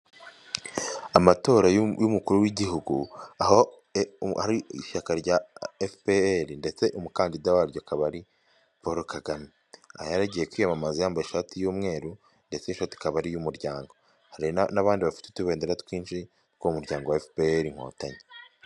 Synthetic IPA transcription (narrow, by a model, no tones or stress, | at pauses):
amato̞ːɾajumukuɾuwiɟiɦuɡuaho | haɾiiʃakaɾɟaefpeɾinde̞t͡se̞ʔumukaːndidawaɾɟokaβaɾi | poɾokaɡami | a̰hjaɾaɟijekwiːjamamazijaːmbaeʃatijuːmŋe̞ːɾu | nde̞t͡sinʃati̥kaβaɾijumuɾɟaːŋɡo | haɾinaβaːndiβafi̥tetuβe̞ːndeɾatwiːnʃi | koumuɾɟaːŋɡo̞waefpeeɾiŋ̥ho̰ːtaɲe